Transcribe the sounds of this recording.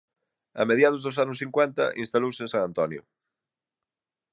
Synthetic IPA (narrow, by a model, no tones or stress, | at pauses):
ɐ̰meðjað̞ʊzðʊs̬anʊsθiŋkwɛnt̪ɐ̰ʔinst̪alowsẽnsaŋãnt̪ɔnjʊ̰